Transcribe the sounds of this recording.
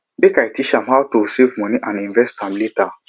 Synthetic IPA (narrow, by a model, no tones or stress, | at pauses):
mekajtiʃãmhawtuisivmɔ̃niʔãnĩɱvɛstãmlita